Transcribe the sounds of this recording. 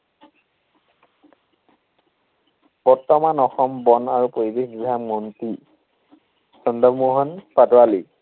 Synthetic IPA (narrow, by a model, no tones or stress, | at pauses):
b̥ɔɹtɔmanɔxɔmbɔnaɹupoɹibexɡiɡʱammɔnti | sɔndɔmuɦɔnpadɔwali